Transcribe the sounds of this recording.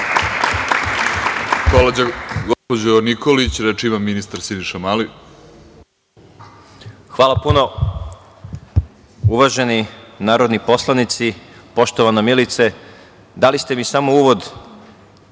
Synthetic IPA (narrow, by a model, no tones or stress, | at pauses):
kolad͡ʑaɡospod͡ʑonikolit͡ɕɾet͡ʃimamːinist̪aɾsiniʃamali | xʋaːlˠapuno̞ | uʋaʒe̞ninaːɾo̞d̪nipo̞slˠanit̪sipo̞ʃt̪oʋanamilit̪se | d̪alist̪emisamouːʋo̞d̪